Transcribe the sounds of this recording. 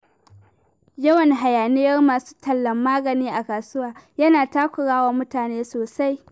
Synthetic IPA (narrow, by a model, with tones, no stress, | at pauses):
jɐ˦wɐ˨ŋɦa˨jaː˨nɪ˦jɐ˦rmaː˨su̥ː˦tʰɐ˨lːɐ˨mːaː˦ɡɐ˨niː˦ʔa˨kaː˨sʊ˦waː˨jɐ˦naː˨taː˦kʷʊ˨ɽaː˦waː˨mʊ˦taː˨neː˦soː˨sa˦j